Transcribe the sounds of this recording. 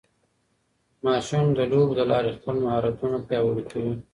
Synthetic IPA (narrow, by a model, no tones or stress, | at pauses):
mɑːʃumd̪əɖobd̪əlɑɾexpəlmahɑɾat̪unapjɑwəɽikawi